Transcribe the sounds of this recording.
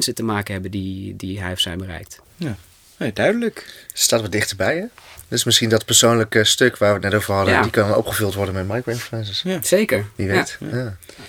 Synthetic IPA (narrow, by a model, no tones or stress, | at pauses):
nsətəmaːkənɦɛbəndidiɦɛjfsɛjnbərɛ̰jk̚t | j | edœɥdələkstaːtʋɔt̚dɪχtəɹbɛjɛdɵsmɪsχindɑtpəɹsownləkstøkʋaːɹʋət̚nɛtowvəɹɦɑdədikɑnnɔ̰pχəvɵlˠtʋɔɹdənmɛtmajkroɪnfluɛnsəssejkəɹdiʋɛtjaː